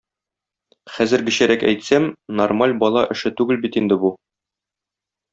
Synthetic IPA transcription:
χæzɘ̆ɾɡɘ̆ɕæɾækæ̰jt̪sæmnormalʲbɒlˠɑʔɘ̆ʃɘt̪ʉɡɘlbit̪ind̪ɘbu

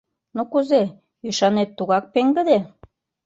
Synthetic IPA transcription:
nokuze | yʃɑnet̪ːuɣɑk̚peŋɡə̆d̪e

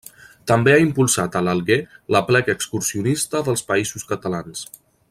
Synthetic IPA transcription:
t̪əmbeaimpulˠsat̪ələlˠɣeləplɛɣəkskuɾsiunist̪əðəlˠspəizuskət̪əlans

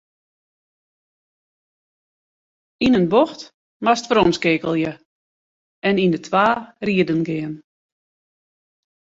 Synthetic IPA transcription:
inənboxt | mastfɾɔnskɪːkəlˠjə | ɛnindətʰwaːriədənɡɪən

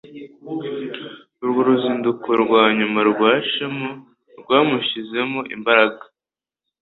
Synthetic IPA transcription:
uɾɡoɾuziːndukʰoɾɡwaːɲumaɾɡwaːʃemo | ɾɡwaːmuʃize̞moʔḭmbaɾaɡḁ

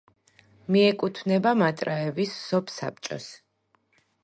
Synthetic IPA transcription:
miɛkʼut̪ʰvnɛbamat̪ʼɾaɛvisːɔpʰsa̰p̚t͡ʃʼɔ̰s

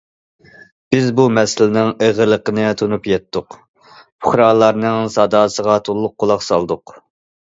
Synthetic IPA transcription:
b̥ɪzbumɛsɪlɪnɪŋeʁəlˠəqənɨt̪ʰonupjɛt̪ʰːʊq | pʰʊχɾɑːlˠɑɾnɨŋsɑd̪ɑːsəʁɑt̪ʰolˠːʊqːolˠɑqsɑlˠd̪ʊq

